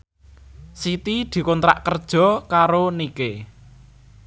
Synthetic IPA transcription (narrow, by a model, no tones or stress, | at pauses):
sit̪id̪̥i̤kɔnt̪ɾa̰ʔkərd̥ʒ̥ɔ̤kaɾonike